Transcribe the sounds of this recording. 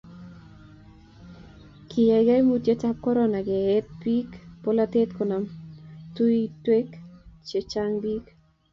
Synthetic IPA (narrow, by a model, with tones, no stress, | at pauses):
kʰi˨ja˨jɡa˦jmutje˦t͡ʃa˦p̚kɔ˦ɾɔna˨ɡeː˨˦t̪̚bi˦kpola˦t̪e˦t̪kɔ˨na˨mtu˦itwe˦kt͡ʃe˨t͡ʃaŋbi˦k